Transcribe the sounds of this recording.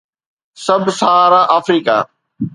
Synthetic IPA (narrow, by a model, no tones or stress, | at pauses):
sɐbʱsaːɾaːʔaːfɾiːka̰ː